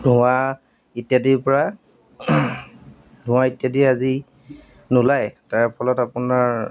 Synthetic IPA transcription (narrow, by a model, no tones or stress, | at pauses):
dʱuwa | itjadiɹpɔɹa | dʱʊ̃w̃aitjadiazi | nulajtaɹpʰɔlɔtapʊnaɹ